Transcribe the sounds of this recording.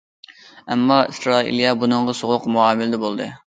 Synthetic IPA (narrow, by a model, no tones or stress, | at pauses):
ɛmːɑisɾɑːḭljɑbunɨŋʁɑsoʁʊqmuɑːmɪlɪd̪ɛbolˠd̪ɨ̰